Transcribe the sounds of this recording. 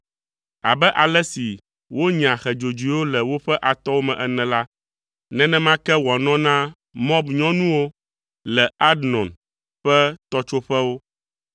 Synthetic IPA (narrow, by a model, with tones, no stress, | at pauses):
a̰˨bɛ˦ʔa˨lɛ˦si˨ | wo˦ɲ˨ã˨xɛ˨d͡ʒo˨d͡ʒu˨i˨˦wo˦lɛ˨wo˦ɸɛ˦ʔa˨t̪ɔ˦wo˦mɛ̃˨ʔɛ˨nɛ̃˨la˦ | nɛ̃˦nɛ̃˦mã˦kɛ˦wa˨nɔ̃˦nã˦ | mɔ̃˦bɲɔ̃˦nũ˦wo˦ | lɛ˨a˦dnɔ̃˨n | ɸɛ˦t̪ɔ˦t͡ʃo˦ɸɛ˦wo˦